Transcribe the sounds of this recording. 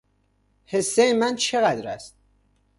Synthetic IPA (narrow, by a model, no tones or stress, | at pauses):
he̞sːejemænt͡ʃʰe̞ɣæd̪ɾæ̰st̪̚